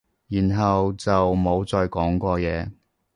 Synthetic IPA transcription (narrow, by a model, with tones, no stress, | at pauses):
jiː˨˩nɦɐ˨wt͡sɐ˨wmo˨˧wt͡sɔː˧jkɔː˨˥ŋkʷɔː˧jɛː˨˧